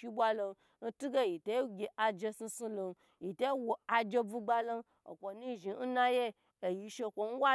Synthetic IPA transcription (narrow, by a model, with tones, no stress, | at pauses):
i˧˦bʷa˧lo˧n | n̩˦tu˦ɡe˦ji˨to˨˦ɡʲe˨ʔa˧d͡ʒe˧si˧su˧lo˧n˦ | ji˨to˦wo˨a˧d͡ʒe˧bu˧ɡ͡ba˧lo˦n | o˨kʷo˨ni˦˨ʒi˨n̩˦na˧je˦ | e˨ji˧ʃe˧˨kʷo˨n̩˦wa˦